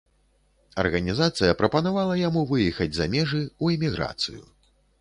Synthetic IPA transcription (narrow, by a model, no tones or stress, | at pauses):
ɐ̰rɣɐnʲizat̪sɨjɐpɾɐpɐnavalˠɐjamuvɨjɛxɐd͡zʲzɐmʲɛʐɨuimʲiɣɾa̰t̪sɨ̰jṵ